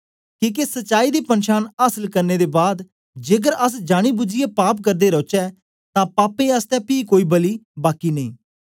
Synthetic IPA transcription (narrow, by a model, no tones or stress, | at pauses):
kĩːkesətːʃaːiːd̪iːpənʃaːnaːsəlkəɾneːd̪eːbaːd̪ | d͡ʒeːɡəɾəs̬d͡ʒaːɽ̃iːbʊd͡ʒɪeːpaːp̚kəɾd̪eːɾɔːt͡ʃɛː | t̪ãːpaːpẽːəst̪ɛːpiːkoːiːbəliːbaːkiːnəĩː